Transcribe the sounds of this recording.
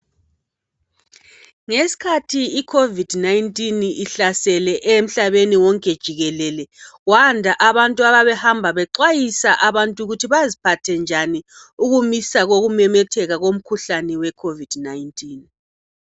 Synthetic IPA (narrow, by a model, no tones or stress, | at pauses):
ŋesi̥kʰatʰiikʰovid̥najntʼiniɬasɛlɛʔem̩ɬaβeniwɔŋkʼɛd̥ʒ̥ʱiɣɛlɛlɛɣwandʱaʔaβantʼuaβaβɛhambʱaβɛǃwajisaʔaβantʼuɣutʰiβazipʰatʰɛnd͡ʒʱani | uɣumisaɣoɣumɛmɛtʰɛɣaɣom̩kʰuɬanɛwɛkʰovid̥najintʼiːn